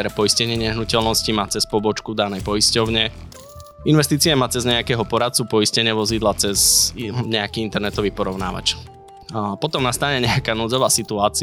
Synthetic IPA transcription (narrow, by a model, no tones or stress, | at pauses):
ɾɛpɔiscɛɲɪɛɲɛɦnucɛlnɔscimaːt͡sɛspɔbɔt͡ʃkud̪anɛjpɔiscɔʊɲɛ | inʋɛst̪iːt͡sijɛmaːt͡sɛzɲɛakɛɦɔpɔɾat̪̚t͡supɔiscɛɲɪɛʋɔzid̪lat͡sɛzɲɛakiːint̪ɛɾnɛt̪ɔʋiːpɔɾɔʊna̰ːʋa̰t͡ʃ | pɔt̪ɔmnast̪aːɲɛɲɛakanuːd͡zɔʋaːsit̪uaːt͡si